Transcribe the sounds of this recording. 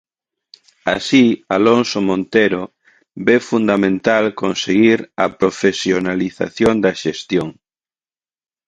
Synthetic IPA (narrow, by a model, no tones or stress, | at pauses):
a̰sialonsomõnt̪eɾo | befund̪amẽnt̪alkonseɣiɾɐpɾofesjonaliθa̰θjond̪ɐʃest̪joŋ